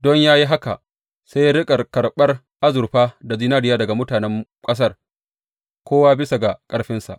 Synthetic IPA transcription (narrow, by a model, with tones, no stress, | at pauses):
dɔ˦ɲjaː˦ji˦ɦa˦ka̰˨ʔ | se˦jɽɪ˦kʼɐ˨rkɐ˨rɓɐ˦r | ʔa˦zʊ˨rɸaː˦da˨zi˦naː˦dɪ˦jaː˦dɐ˨ɡa˨mʊ˦taː˨nɛ˦mkʼɐ˦s̬ɐ˦r | kʷʰoː˦waː˦bɪ˦sa˨ɡa˨kʼɐ˦ɽɸɪ˦nsa̰˨ʔ